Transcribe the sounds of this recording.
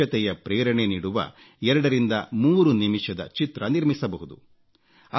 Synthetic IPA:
ɐt̪ɛjɐpɾɛːɾɐɳeniːɽuʋɐ̰ | ɛɾɐɽɐɾind̪ɐmuːɾunimiʂɐd̪ɐ̰t͡ʃit̪ɾɐniɾmisɐbɐɦud̪u | ɐ

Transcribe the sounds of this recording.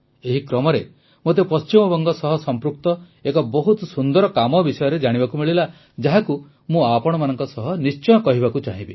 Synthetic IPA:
eɦikɾɔmɔɾe | mot̪̬epɔst͡ʃimɔbɔŋɡɔsɔɦɔsɔmpɾuk̚t̪ɔ | ekɔbɔɦut̪sund̪ɔɾɔkamɔbisɔjɔɾed͡ʒaɽ̃ibakumiɭila | d͡ʒaɦaku | mũapɔɽ̃ɔmanɔŋkɔsɔɦɔnist͡ʃɔjɔkɔɦibakut͡ʃaɦĩbi

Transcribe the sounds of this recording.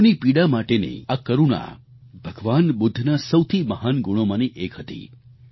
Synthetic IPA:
nipiɽamaʈenḛakəɾuɽ̃a̰ | bʱəɡʋanbʊd̪ʱːnasəwt̪ʰiməɦanɡʊɽ̃omaniʔekʰɦət̪ḭ

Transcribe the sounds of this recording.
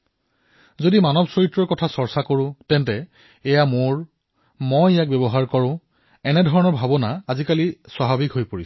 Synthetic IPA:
zodimanɔbsɹoitɹɔɹkɔtʰasɔɹsakoɹʊ̃tɛntɛː | jamoɹ | mojjak̚bjɔbɔɦaɹkɔɹʊ̃ | ɛnɛdʱɔɹɔnɔɹbʱabɔnaːzikaliswaɦabikɦojpoɹis

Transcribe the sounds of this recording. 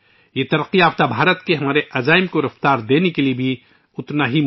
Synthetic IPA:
jet̪ɐɾəqːiaːft̪abʱaːɾət̪keɦɐmaːɾeʔɐzaːɪmkoɾɐft̪aːɾd̪eːnekeliebʱi | ʊt̪naɦi

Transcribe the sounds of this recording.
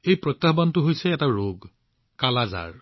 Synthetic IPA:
ejpɹɔtːahbantʊɦojsɛːtaɹoɡ | kalaza̰ɹ

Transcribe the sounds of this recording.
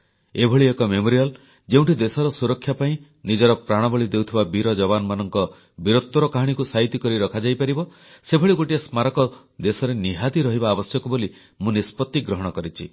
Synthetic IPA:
ebʱɔɭiekɔmemoɾial | d͡ʒeũɳʈid̪esɔɾɔsuɾɔkʰjapaĩ | nid͡ʒɔɾɔpɾaɽ̃ɔbɔɭid̪ewt̪ʰibabiɾɔd͡ʒɔβanɔmanɔŋkɔ | biɾot̪ːɔɾɔkaɦaɽ̃ikusaɦit̪ikɔɾiɾɔkʰad͡ʒajpaɾibɔ | sebʱɔɭiɡoʈiesmaɾɔkɔ | d̪esɔɾeniɦad̪iɾɔɦibaːbɔsjɔkɔboli | mũnispɔt̪ːiɡɾɔɦɔɽ̃ɔkɔɾit͡ʃʰḭ

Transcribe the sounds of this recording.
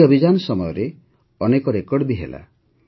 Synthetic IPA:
ɔbʱid͡ʒanɔsɔmɔjɔɾe | ɔnekɔɾekɔɽbiɦḛla̰

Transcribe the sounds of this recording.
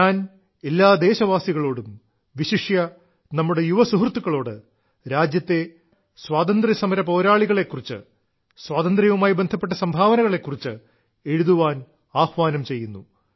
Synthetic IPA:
ɲaːn | elːaːd̪e̞ːɕɐʋaːsiɣɐɭo̞ːɽum | ʋiɕiʂjɐ | nɐmːuɽe̞juʋɐsuɦrt̪ːukːɐɭo̞ːɽɨ | ɾaːd͡ʑjɐt̪ːe̞ | swaːt̪ɐnd̪risɐmɐɾɐpo̞ːɾaːɭiɣɐɭe̞kːurit͡ɕːɨ̰ | swaːt̪ɐnd̪ɾɐjʋumaːjbe̞nd̪ʱɐpːeʈːɐsɐmbʱaːʋɐnɐɣɐɭe̞kːurit͡ɕːɨ | e̞ɻuðuʋaːn | aːhʋaːnɐmt͡ɕe̞jːunːu

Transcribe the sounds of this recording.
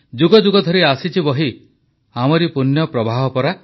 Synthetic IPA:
d͡ʒuɡɔd͡ʒuɡɔd̪ʱɔɾiasit͡ʃʰibɔɦi | amɔɾipunjɔpɾɔbʱaɦɔpɔɾa

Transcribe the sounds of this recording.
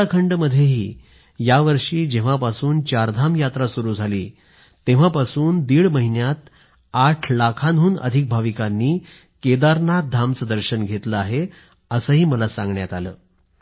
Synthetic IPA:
akʰəɳɖməd̪ʱjeɦiː | jaʋəɾʂiːd͡ʑẽʋ̤apasuːnt͡ɕaɾd̪ʱamjat̪ɾasuɾuːd͡zʱaliː | t̪ẽʋ̤apasuːnd̪iːɭməɦinjat̪̚ | aʈʰlakʰanɦuːnə̰d̪ʱik̚bʱaʋikanːiː | ked̪aɾnak̚d̪ʱamt͡səd̪əɾɕənɡʱet̪ləaɦe | əsəːɦiːməlasãŋɡɳjat̪alə̰ː

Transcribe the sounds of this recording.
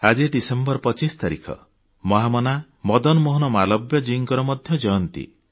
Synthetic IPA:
ad͡ʒiɖisembɔɾpɔt͡ʃist̪aɾḭkʰɔ̰ | mɔɦamɔna | mɔd̪ɔnɔmoɦɔnɔmalɔbjɔd͡ʒiŋkɔɾɔmɔd̪ʱjɔd͡ʒɔjɔnt̪ḭ

